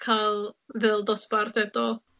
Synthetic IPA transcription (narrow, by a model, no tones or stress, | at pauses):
kʰalvɛld̪ospaɾt̪ɛt̪o